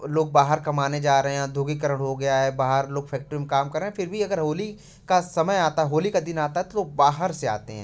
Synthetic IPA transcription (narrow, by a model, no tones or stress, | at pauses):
loːɡ̚baːɦəɾkɐmaːned͡ʒaːɾɐɦẽɦɛ̃d̪ʱoːɡikəɾəɽɦoɡɐjaɦɛbaːɦəɾloːɡfʰɛːk̚ʈɾimkaːmkɐɾːeɦɛ̃fɪɾbʱiɐɡəɾɦoːli | kasɐməjaːt̪aɦɛɦoːlikad̪ɪnaːt̪aɦɛt̪oloːɡ̚baːɦəɾsea̰ːt̪ḛɦɛ̰̃ː